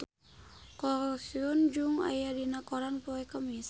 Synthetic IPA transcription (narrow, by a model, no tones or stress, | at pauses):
kɔɾsiɔnd͡ʒuŋa̰jadinakɔɾanpɔɛkəmis